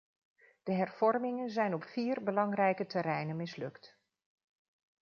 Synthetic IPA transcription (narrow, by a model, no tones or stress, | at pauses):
d̥əɦɛrv̥ɔɹmɪŋənzɛjnɔpfiːrbəlɑŋrɛjkətɛɾɛjnənmɪslɵkt